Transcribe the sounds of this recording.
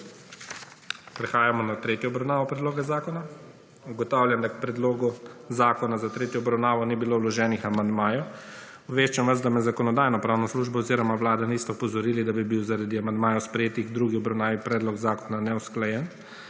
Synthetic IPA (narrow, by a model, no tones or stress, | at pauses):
pɾɛxaːjamɔnat̪ɾeːt̪jɔɔbɾawnaːʋɔpɾɛd̪loːɡɛzaːkɔna | uɡɔt̪aːwlʲjand̪ak̚pɾɛd̪loːɡuzaːkɔnazat̪ɾeːt̪jɔːbɾawnaːʋɔnibilowlɔʒɛːnixamand̪maːjɔ | ɔbʋeːʃt͡ʃamʋazd̪amɛzakɔnɔd̪aːjnɔpɾaːwnɔsluʒbɔɔziɾɔmaʋlaːd̪aniːst̪ɛɔpɔzɔɾiːlid̪abibiwzaɾad̪iamand̪maːjɔspɾɛjeːt̪iɣd̪ɾuːɡiɔbɾawnaːʋipɾɛːd̪lɔɡzaːkɔnanɛusklajɛn